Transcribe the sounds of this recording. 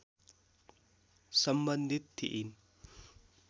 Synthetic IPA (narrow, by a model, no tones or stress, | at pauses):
sɐmbɐnd̪ʱit̪ʰːḭʔin